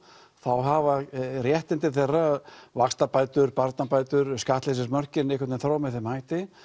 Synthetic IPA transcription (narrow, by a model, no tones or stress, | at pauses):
θawɦavarjɛht̪ɪnt̪ɪθɛrːavakst̪apaːjt̪ʏɾpaɾt̪napaːjt̪ʏɾskaht̪lɪs̬ɪɾmœr̥cɪnɪhkvaɾt̪ɪmθɾawmɛðθɛmhaːjht̪ɪ